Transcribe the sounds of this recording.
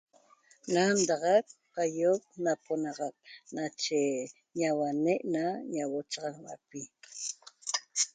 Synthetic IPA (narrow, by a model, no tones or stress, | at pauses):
nand̪ɑʁɑk̚qajop̚naponɑʁɑk̚nat͡ʃe | ɲawaneʔnaɲawot͡ʃɑʁɑŋwa̰pi